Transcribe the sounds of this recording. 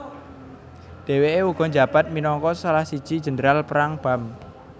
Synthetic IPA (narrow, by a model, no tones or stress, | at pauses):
d̪̥e̤weeuɡ̥ɔ̤ɲd͡ʒab̥a̤t̪̚minɔŋkɔsalahsid̥ʒ̥i̤d̥ʒ̥ə̤ndəɾalpəɾaŋb̥a̤m